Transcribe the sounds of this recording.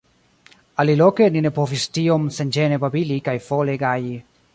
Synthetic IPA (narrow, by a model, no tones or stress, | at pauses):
alilokeninepofist̪iomsend͡ʒenepabilikajfoleɡaji